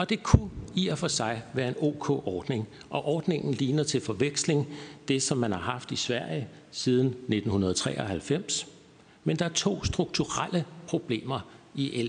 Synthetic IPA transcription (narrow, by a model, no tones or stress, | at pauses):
ɒ̽d̥e̝kʰuiɐfɒ̽sɑ̈ɪʋæːɐe̝no̝̰ːkʰɔ̰ːʔɒːd̥ne̝ŋ | ʔɒ̽ʔɒːd̥ne̝ŋn̩liːnɐt͡sʰe̝lfɒ̽ʋeɡ̥sle̝ŋd̥e̝sɒ̽mːænhɑ̈ɦɑ̈fd̥isʋæɐ̰jə | siːð̞ˠn̩ne̝d̥n̩hunɐð̞ˠt͡sʰʁɛ̰ːɒ̽hælfem̰s | mend̥ɑ̈æɐt͡sʰo̝̰ːsd̥ʁuɡ̥̚t͡sʰuʁal̰əpʰʁo̝b̥le̝̰ːmɐiʔel